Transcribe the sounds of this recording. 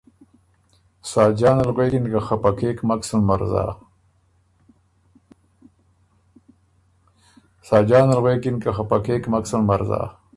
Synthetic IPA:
saːd͡ʑaːnalɣweːkinkaxapɐkʰeːkmɐksunmɐɾza̰ː | saːd͡ʑaːnɐlɣweːkinkaxapɐkeːkmɐksɐnmɐɾza̰ː

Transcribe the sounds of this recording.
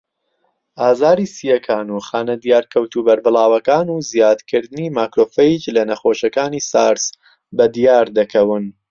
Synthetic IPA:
ʔaːzaːɾiːsijɐkʰaːnuxaːnɐd̪ijaːɾkʰɐwt̪ubɐɾbɨlˠaːwɐkaːnuzijaːd̪kʰɨɾd̪ɨnimaːkɾoːfejt͡ʃlɐnɐxoːʃɐkaːniːsaːɾs | bɐd̪ijaːɾd̪ɐkʰɐwɨn

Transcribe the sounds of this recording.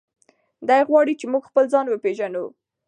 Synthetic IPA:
d̪ɑjɣwɑɽit͡ʃemuɡxpəld͡zɑnwəpeʒanu

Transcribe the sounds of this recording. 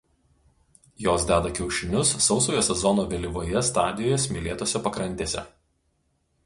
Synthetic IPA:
joːsd̪ʲæːd̪ɐkʲɛʊʃʲɪnʲʊsːɒʊsoːjoːsʲɛzɔnoːʋʲɛlʲɪʋoːjɛst̪ɑːd̪ʲɪjoːjɛsʲmʲɪlʲeːt̪oːsʲɛpɐkɾɐnʲt̪ʲeːsʲɛ̰

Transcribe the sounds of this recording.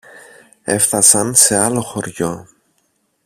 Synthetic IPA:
e̞̰fθɐsɐnse̞ɐlo̞xo̞ɾʝo̞

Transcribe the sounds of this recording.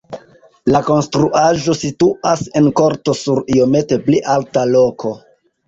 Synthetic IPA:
lako̞nstɾuʔaʒo̞situʔase̞nko̞ɾto̞suɾio̞me̞te̞pliʔaltalo̞kʰo̞

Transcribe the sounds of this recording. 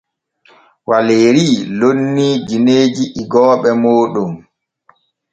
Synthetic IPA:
waleːɾiːlonːid͡ʒineːd͡ʒiʔiɡɔːɓɛmoːɗum

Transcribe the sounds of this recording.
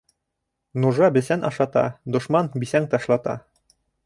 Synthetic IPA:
nuʒɑbɘ̆sænʔɑ̰ʃɑt̪ɑ̰d̪ŏʃmɑnbisæŋt̪ɑʃlˠɑt̪ɑ̰

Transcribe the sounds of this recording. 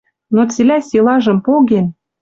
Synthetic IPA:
not͡selʲæsʲilɑʒə̆mpoɣen

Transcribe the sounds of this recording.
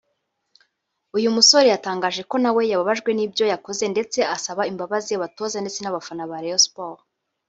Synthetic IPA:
ujumuso̞ɾejataːŋɡaʒe̞ko̞nawe̞jaβaβaʒɡwe̞niːbjo̞jako̞ze̞nde̞t͡se̞asaβaimbaβazijaβato̞ːzande̞t͡se̞naβafanaβaɾejospoɾ

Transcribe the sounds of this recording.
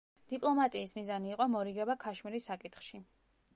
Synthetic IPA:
d̪̥ipʼlˠɔmat̪ʼiːsmizaniːqʼɔmɔɾiɡɛbakʰaʃmiɾisakʼit̪χʃi

